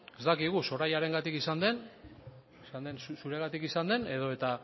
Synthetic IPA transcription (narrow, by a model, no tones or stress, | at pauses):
e̞zt̪akiɣ̞uso̞ɾajaɾe̞ŋɡat̪ikisand̪e̞n | isand̪ensusuɾe̞ɣat̪ikisand̪e̞ne̞ð̞o̞e̞t̪a